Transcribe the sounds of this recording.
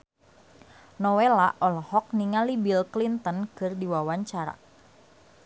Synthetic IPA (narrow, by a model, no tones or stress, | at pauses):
nɔwela̰ʔɔlɔhɔk̚niŋalibilklint̪ənkɨrdiwawaɲt͡ʃaɾa̰